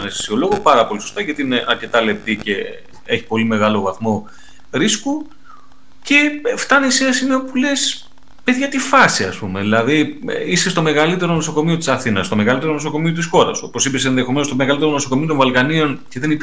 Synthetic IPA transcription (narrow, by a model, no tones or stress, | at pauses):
nesfi̥sio̞lo̞ɣopɐɾɐpo̞liso̞st̪ɐʝɐt̪iine̞ʔɐɾce̞t̪ɐle̞p̚t̪ice̞ | eçi̥po̞lime̞ɣɐlo̞vɐθmo̞ | ɾisku | ce̞ft̪ɐnisinɐsimeopule̞s | pe̞ðʝɐt̪ifɐsiɐspumeðilɐðiisest̪o̞me̞ɣɐlit̪e̞ɾonoso̞ko̞mio̞t̪i̥sɐθinɐst̪ome̞ɣɐlit̪eɾo̞noso̞ko̞mio̞t̪isxo̞ɾɐsopo̞sipesenðe̞xo̞me̞nost̪omeɣɐlit̪e̞ɾonoso̞ko̞miot̪ovɐlkɐnio̞nce̞ðe̞nit̪